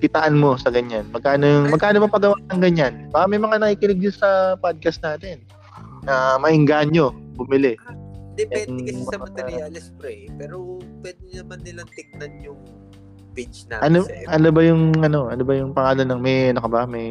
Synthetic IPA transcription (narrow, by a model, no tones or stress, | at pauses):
kɪt̪ɐʔanmo̞sɐɡɐɲanmɐɡ̚kaːnojŋmɐɡ̚kaːnobɐpɐɡɐwaːnɐŋɡɐɲːanbakɐmɐjmɐŋanɐkiːkɪnɪɡ̚ɲʊnsɐpad̪̚kɐsnaːt̪ɪnː | ɐmɐʔɪŋɡaːnɲo̞bʊmɪlɛd̪ɛɛdŋmɐalɛspɾɛpɛːɾopwɛd̪ɪnɐmanːɪlɐŋt̪ɪk̚nɐnjʊŋ | pint͡ʃnaʔɐnoʔɐnobɐjʊŋɐno̞ʔɐnobɐjʊŋpɐŋaːlɐnːɐŋmɛjɐnokɐbɐmɐj